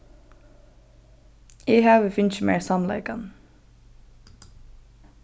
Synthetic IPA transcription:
eːhɑːʋəfʏnçəmḛːɹsɑmlɑ̰ɪkɑn

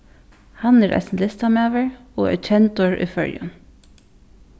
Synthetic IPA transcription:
hanɛɾʔa̰snlɪst̪amɛːʋəɹo̰ːɛ̰t͡ʃʰɛnt̪ɔɹʏ̰fœ̰ɹjʊ̰n

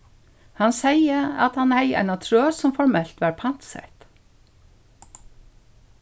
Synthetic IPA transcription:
hansejəa̰t̪hanhɛɪjɛ̰ɪnat̪ʰɾœːsɔmfɔɾmɛl̥t̪ʋaɹpʰan̥t̪sɛ̰ht̪

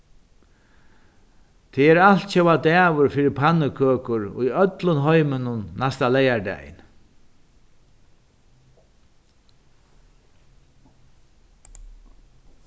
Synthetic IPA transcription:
t̪ʰɛɛɾal̥t̪t͡ʃɛwad̪ɛːvʊɾfiːɾɪpʰanːɪkʰøːkʊɾʊ̰jœt̪lʊnɦɔjmɪnʊnːast̪alɛjaɹdɛ̰jɪ̰n

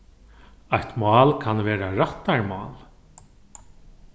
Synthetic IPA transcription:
ajt̪mɑːlkʰanʋɛːɾaɾaht̪ːaɹmɑːl

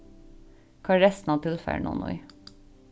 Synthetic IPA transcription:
kʰɑːɹɛst̪n̩ɑːt̪ʰɪlfæ̰ɳɔ̰ːnʔɔ̰ɪ̰

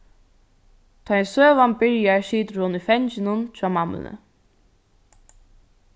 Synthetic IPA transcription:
t̪ʰaɛnsøːʋanbɪɹjaɹʃiːt̪ɾʊnʏfɛnt͡ʃɪnʊnt͡ɕʰaːmam̰lə̰

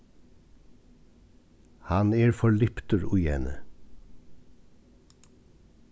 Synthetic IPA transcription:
hɑneːɹfɔɭʏpt̪əɹʉjɛ̰ːnə̰

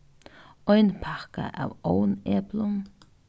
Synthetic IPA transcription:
ɔjnpʰakə̰ʔa̰wowneːblʊŋ

